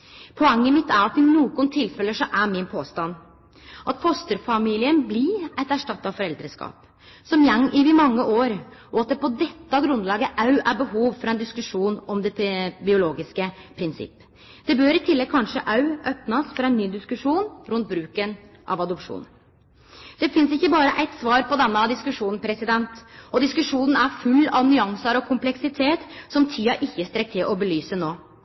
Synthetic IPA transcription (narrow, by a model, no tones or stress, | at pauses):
pʰɔɛŋːəmɪt̪ːæɾɑt̪ːɪnoːɡʊnt̪ʰːɪlfɛlːəʂɔʔæɾmɪnpʰoːst̪ɑn | ʔɑt̪fʰɔst̪əɾfɑmiːlɪənblɪæt̪æʂʈɑt̪ːɑfɔɾɛld̪ɾəskɑ̰ːp | sɔmjɛŋːʔɪʋɪmɑŋːəʔoːɾʔɔɑt̪̚d̪ɛpʰɔd̪ɛt̪ːɑɡɾʉnd̪lɑːɡəʔɑʉʔæɾbəɦuːʋfɾɑɛnd̪ɪskʉʂuːnɔmd̪ɛbɪʊloːɡɪskəpʰɾɪnsɪ̰pː | d̪̥ɛbøːɾɪt̪ʰɪlːɛɡ̚kʰɑnʂəʔɑʉʔœpnɑsfɔɾɛɪnːyːd̪ɪskʉʂuːnɾʉnt̪̚bɾʉːkən | ʔɑ̰ʋɑd̪ɔpʂṵːn | d̪̥ɛfɪnsɪçːəbɑːɾəʔæɪt̪sʋɑːɾpɔd̪ɛnːɑd̪ɪskʉʂuːnn̩pʰɾɛsɪd̪ɛnt̪ɔd̪ɪskʉʂuːnən̩æɾfʉlːɑʋnʏɑŋsəɾɔkʰʊmplɛksɪt̪ʰeːt̪sɔmt̪ʰyːɑʔɪçːəst̪ɾɛk̚t̪ʰːɪlʔɔbəlyːsənoː